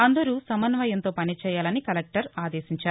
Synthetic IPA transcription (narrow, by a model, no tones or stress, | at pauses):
ɐnd̪ɐɾuːsɐmɐnʋɐjɐnt̪oːpɐnit͡ʃɛːjaːlɐnikɐlɛk̚ʈɐɾaːd̪eːsiɲt͡ʃaːɾu